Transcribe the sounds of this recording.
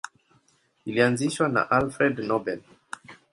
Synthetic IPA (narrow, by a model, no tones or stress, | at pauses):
iliãnziʃwana̰ʔalfɾɛd̪nɔbɛl